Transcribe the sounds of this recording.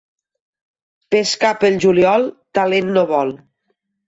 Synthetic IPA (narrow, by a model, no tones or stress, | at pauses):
peskapəlʒuliɔlˠt̪alenːoβɔl